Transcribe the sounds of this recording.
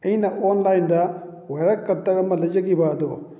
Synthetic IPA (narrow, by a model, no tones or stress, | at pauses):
ejnɐʔoːnlɐjnd̪ɐ | ʋɛɾɐkkːɐɾt̪ːɐɾɐmːɐlɐd͡ʒɐɡibaːd̪u